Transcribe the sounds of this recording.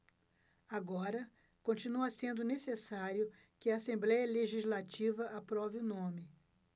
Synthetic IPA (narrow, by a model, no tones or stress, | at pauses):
aɡɔɾɐ | kõt͡ʃinuɐsẽnd̪ʊnesesaɾjʊ | kɪɐːsẽmblɛjɐleʒizlat͡ʃivɐʔapɾɔvɪʊnõmɪ